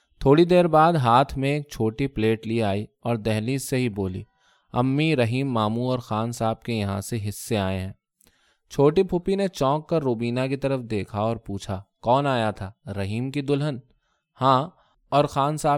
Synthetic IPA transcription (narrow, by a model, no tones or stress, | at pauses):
t̪ʰoːɽid̪eːɾbaːd̪ɦaːt̪ʰmẽeːk̚t͡ʃʰoːʈipleːʈliaːiɔːɾd̪ɛɦliseɦiboːlḭː | ɐ̰mːiɾɐɦiːmːaːmuɔːɾxaːnsaːb̚kejɐɦãseɦɪsːeaːẽɦɛ̃ː | t͡ʃʰoːʈipʰʊpinet͡ʃɔ̃ːkːɐɾːoːbiːnakit̪ɐɾəfd̪eːkʰaɔːɾpuːt͡ʃʰakɔːnaːjat̪ʰaːɾɐɦiːmkid̪ʊlɦən | hãː | ɔːɾxaːnsaː